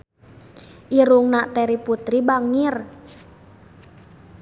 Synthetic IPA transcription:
ʔiɾuŋnaʔt̪ɛɾiput̪ɾibaŋir

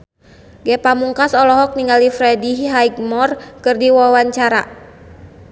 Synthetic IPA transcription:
ɡɛpamuŋkasɔlɔɦɔk̚niŋɡalifɾɛdiɦaiɡmɔrkɨrdiwawaɲt͡ʃaɾa̰

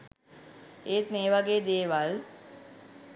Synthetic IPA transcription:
eːt̪meːʋaɡeːd̪eːʋal

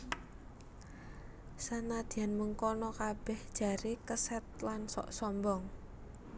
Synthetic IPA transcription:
sanad̪̥i̤anməŋkɔnɔkab̥ɛhd̥ʒ̥a̤ɾekəsɛt̪̚lansɔ̰ʔsɔmbɔŋ

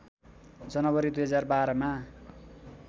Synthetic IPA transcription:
d͡zʌnʌβʌɾid̪ujɦʌd͡zarbaɾʌma

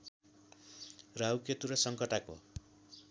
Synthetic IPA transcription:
rawket̪uɾʌsʌŋkʌʈako̰

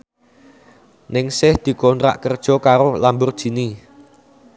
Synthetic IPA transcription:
nɪŋsɪhd̪̥i̤kɔnt̪ɾa̰ʔkərd̥ʒ̥ɔ̤kaɾolambʊrd̥ʒ̥i̤ni

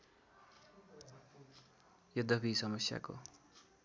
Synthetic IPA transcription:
jʌd̪ʱʌpʰisʌmʌsja̰ko̰

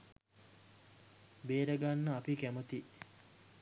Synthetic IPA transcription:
beːɾəɡanːəapikæmət̪i

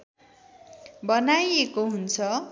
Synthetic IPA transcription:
bʌnajekoɦunt͡sʰʌ

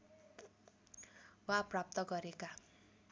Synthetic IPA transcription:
waprap̚t̪ʌɡʌɾeka

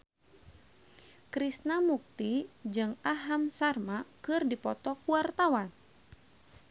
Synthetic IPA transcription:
kɾisnamuk̚t̪id͡ʒɨŋaɦamsarmakɨrdipɔt̪ɔkuart̪awan

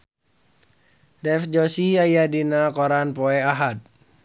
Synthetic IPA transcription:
dɛfd͡ʒɔsiajadinakɔɾanpɔɛaɦat̪̚

